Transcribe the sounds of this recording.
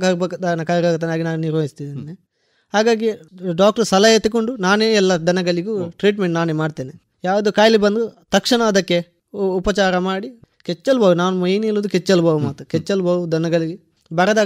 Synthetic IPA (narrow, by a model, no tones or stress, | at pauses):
kɐɾbɐkɐd̪aːɐnɐkaːjɾaːɡut̪̬ːeːnaːɡinaːnuniɾʋɐjist̪id̪ine | ɦaːɡaːɡiɖaːk̚ʈsɐlɐjet̪ːukoɳɖunaːneːɛlːɐd̪ʱɐnɐɡɐɭiɡuʈɾiːʈmeɳʈnaːnemaːɖt̪eːne | jaːʋɐd̪ukaːjlibɐnd̪ut̪ɐkʂɐɳɐɐd̪ɐkːe̞ | upɐt͡ʃaːɾɐmaːɽi | ket͡ʃːɐlbɐːʋunaːnumɐjnilːuːd̪uket͡ʃːɐlbɐːʋumaːt̪ɐket͡ʃːɐlbɐːʋud̪ʱɐnɐɡɐɭiɡe | bɐɾɐd̪aː